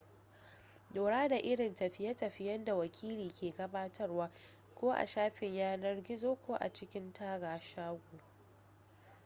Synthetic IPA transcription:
doː˨ɽaː˦da˨ʔɪ˦ɽɪ˨ntɐ˨ɸɪ˦jɐ˦tɐ˨ɸɪ˦jɐ˦nda˨wɐ˨kʲʰiː˦liː˨kʲʰeː˨ɡɐ˦baː˦tʰɐ˦rwaː˦ | kʷoː˦ʔa̰˨ʃaː˦ɸɪ˨ɲjaː˦nɐ˦rɡʲɪ˦zoː˦kʷoː˦ʔa̰˨t͡ʃɪ˦kʲɪ˦ntaː˦ɡaː˨ʃaː˦ɡʷu˨

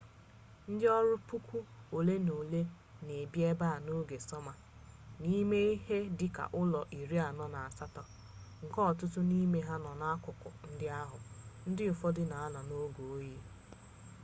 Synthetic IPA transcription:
n̩˦dɪ˦ɔ˦ɾʊ˦pu˦kʷu˦o˨le˦no˨le˦ | ne˨bje˦ba˦˨no˦ɡe˨sɔ˦ma˨ | ni˦me˦i˦he˦dɪ˦ka̰˨ʔʊ˦lɔ˨ʔi˨ɾi˦a˨nɔ˦na˨a˨sa˦tɔ˨ | ŋ̩˨kɔ˦˨tʊ˦tʊ˦ni˦me˦ɦa˦nɔ˨na˦a˦kʷʊ˨kʊ̰˨n̩˦dɪ˦a˦ɦʊ˨n̩˦dɪ˦ʊ˨fɔ˦dɪ˦na˨a˦na˨no˦ɡo˨˦ji˦

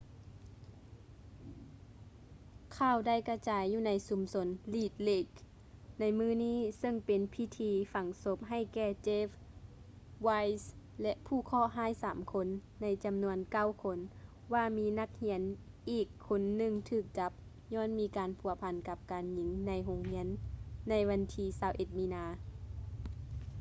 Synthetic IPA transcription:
kʰaː˧˩˨wda˥˩˨jka˧t͡ɕaː˨˦jːuː˧˩na˨˧˦jsu˨˦mso˨˦nliː˧˩t̪̚le˧˩k | na˧˥jmɯː˧˥˩niː˧˥˨sɤ˧˨ŋpe˨npʰi˧˥t̪ʰiː˨˧˦fa˨˩˦ŋso˧˦p̚ɦa˧˩jkɛː˧˩t͡ɕeː˧˥f | wa˧˥js | lɛ˧ʔpʰuː˧˩kʰɔː˧˥˨ɦaː˧˥˨jsaː˨˦mkʰo˧˥nː | a˧˥jt͡ɕa˨mnu˧˥ənka˧˥˩wkʰo˧˥n | ʋaː˧miː˧˥na˧˩k̚hi˧˥ən | ʔiː˨˩kʰːo˧˦nːɯ˧˩ŋt̪ʰɯː˧˩k̚t͡ɕa˧˦p̚ | ɲɔː˧˥˨nmiː˧kaː˨npʰu˨˩ɐpʰa˨nka˧˦p̚kaː˨nɲi˧˦ŋna˧˥jɦo˧ŋhi˧˥ənːa˧˥jʋa˧˥nt̪ʰiː˧saː˧wʔe˧˦t̪̚miː˧naː˧

